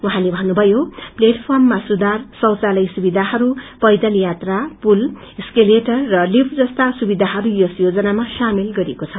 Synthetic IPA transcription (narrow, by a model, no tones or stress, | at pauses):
wuɦãlebʱʌnːubʱʌjopleʈpʰʌrmːasud̪arsʌwt͡salʌjsubid̪ʱaɦʌɾupʌjd̪ʌlijat̪rapul | eskeleʈʌrːʌlibʰd͡zʌst̪asubid̪ʱaɦʌɾujosjod͡zʌnamasamilɡʌɾiekot͡sʰʌ